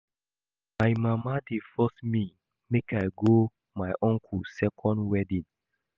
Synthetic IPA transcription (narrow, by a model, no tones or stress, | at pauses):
majmamadefɔsmi | mekajɡo | majʔɔ̃ŋkʰusɛkʰɔ̃ndwɛdĩn